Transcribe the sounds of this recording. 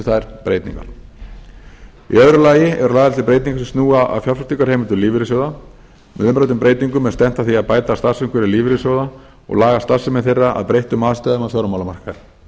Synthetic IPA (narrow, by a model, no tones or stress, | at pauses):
θaɛɾpɾḛjt̪nḭŋka̰n | ḭœðɾʏlaːjɪɛ̰ɾʏlaːɣðalsɪpɾeːjt̪niŋkasɛmst̪nuːaa̰ðfjafast̪iŋkaɾ̥hejmʏnt̪ʏliːvɪɾɪsjowða | mʏ̰ðʏmpɾajt̪ʏmpɾejt̪niŋkʏmɛðst̪ɛn̥t̪aθiaðpaːjt̪ast̪arsʏŋkʏɾɛliːvɪɾɪsjowða | ɔ̰ɣlaːɣast̪ar̥sːɪmɛðθejrːaʔa̰ðpɾejht̪ʏmaːðst̪aðʏmaðfjɔɾʏmawlamar̥kaɾ